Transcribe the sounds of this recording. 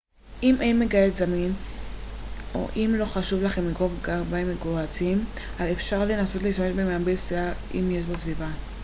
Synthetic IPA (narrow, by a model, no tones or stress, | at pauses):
ʔimʔe̞jnme̞ɡajetzamin | o̞̰ʔimlo̞χaʃuvlaχemliɡovɡabaemeɡoat͡sim | ʔazefʃaʁle̞naso̞tleiʃtameʃbemeambesiaimje̞ʃ̬basviva